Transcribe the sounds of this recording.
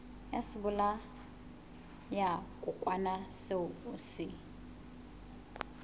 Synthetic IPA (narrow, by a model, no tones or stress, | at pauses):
jasɪbʊla | jakʼukʼwanaseʊusɪ